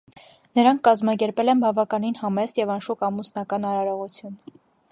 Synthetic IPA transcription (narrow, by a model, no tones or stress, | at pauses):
nəɾɑŋkʰːɑzmɑkɛɾpɛlɛnbɑvɑkɑninhɑmɛsjɛvɑnʃukɑmusnɑkɑnɑɾɑɾɔʁut͡sʰjun